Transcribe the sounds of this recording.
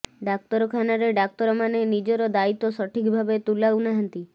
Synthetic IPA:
ɖak̚t̪ɔɾɔkʰanaɾeɖak̚t̪ɔɾɔmanenid͡ʒɔɾɔd̪ait̪osɔʈʰikbʱabet̪ulaunaɦənt̪i

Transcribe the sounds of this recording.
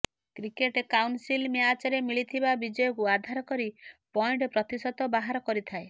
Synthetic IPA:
kɾikeʈkawnsilmeat͡ʃaɾemiɭit̪ʰibabid͡ʒɔjɔkuad̪ʱaɾɔkɔɾipɔjɳʈɔpɾɔt̪isɔt̪ɔbaɦaɾɔkɔɾit̪ʰae

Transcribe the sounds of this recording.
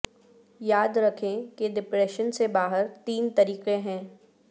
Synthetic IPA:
jaːd̪ɾɐkʰẽkeɖɪpɾɛːʃənsebaːɦəɾt̪iːnt̪ɐɾiːqẽɦɛ̃ː

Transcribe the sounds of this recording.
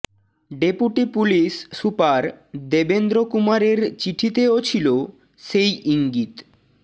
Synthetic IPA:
ɖepuʈipulisːupaɾd̪ebend̪ɾokumaɾeɾt͡ɕiʈʰit̪eot͡ɕʰilo | ʃejʔiŋɡit̪

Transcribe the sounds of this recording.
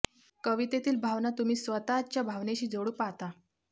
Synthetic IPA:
kəʋit̪et̪iːlbʱaʋnat̪um̤iːsʋət̪at͡ɕjabʱaʋneɕiːd͡zoɽuːpaɦt̪a

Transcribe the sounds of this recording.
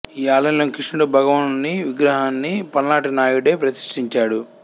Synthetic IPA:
iːaːlɐjloːnkɾiʂɳɐɽubʱɐɡɐʋɐnnːiʋiɡɾɐɦaːnːipɐnlaːʈinaːjuɽeːpɾɐsi̥ʂʈiɲt͡ʃaːɽu

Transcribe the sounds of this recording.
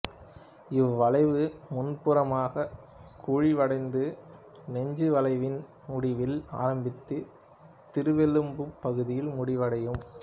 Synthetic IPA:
ɪʋʋɐlɐɪʋɯmʊnpɯɾɐmaːɣɐ | kʰuːɻiʋɐɽɐɪnd̪ɯ | nɛɲd͡ʒɯʋɐlɐɪʋɪn | mʊɽɪʋɪla̰ːɾɐmbɪt̪ːɯ | t̪ɪɾɯʋɛlɯmbɯpːɐɣɯðɪjɪlmʊɽɪʋɐɽɐjɯm

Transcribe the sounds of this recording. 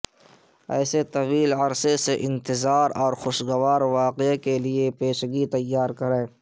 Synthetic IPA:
ɛːset̪ɐʋiːlɐɾseseʔɪ̃nt̪ɪzaːɾɔːɾxʊʃɡəʋaːɾʋaːqekeliepeːʃɡit̪ɐjːaːɾkɐɾẽː

